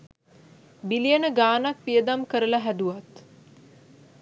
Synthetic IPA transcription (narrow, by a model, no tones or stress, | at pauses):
bilijənəɡaːnak̚pijəd̪amkəɾəlaɦæd̪uʋat̪